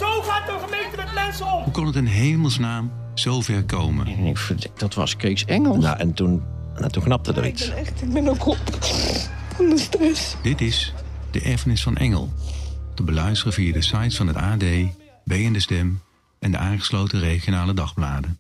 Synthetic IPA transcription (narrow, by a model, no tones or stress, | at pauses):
zowχaːtdəχəmentəmɛtlɛnsɔɦukɑnətənɦejməlˠsnaːm | z̥owvɛɹkowmə̰nnɪ̰kfədd̥ɑtʋɑ̰skriksɛŋəlˠna̰ʔɛntun | na̰tunknɑp̚tədə̰ritsɛtbɛnokɔp | ɔnəstəsd̥ɪtɪs | d̥əʔɛɹvənɪsfɑnʔɛ̰ŋə̰lˠtəbəlœɥstərəviːadəsɑjtfɑnɦətaːdej | bejəndəstɛm | ʔɛndəʔaːχə̥slowtəreχijonaːlədɑχblaːdə